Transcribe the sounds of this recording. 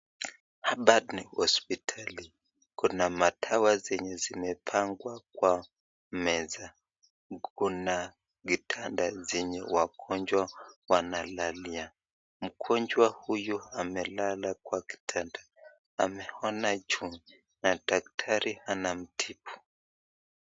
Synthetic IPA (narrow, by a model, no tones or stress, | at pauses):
haɓadnihɔspitʰali | kunamatʰawazɛɲɛzimɛpʰaŋɡwak̚wa | mɛza | kuna | ɡitʰandazɛɲɛwakʰɔɲd͡ʒwawanalalia | m̩kʰɔɲd͡ʒwahujuamɛlalakwaki̥tʰanda | a̰mɛhɔnad͡ʒuŋi | nadak̚tʰaɾihanam̩tʰipʰu̥